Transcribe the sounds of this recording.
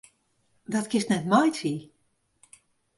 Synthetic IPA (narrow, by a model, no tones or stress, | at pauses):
dɔtkɪstnɛtmɔjtʰi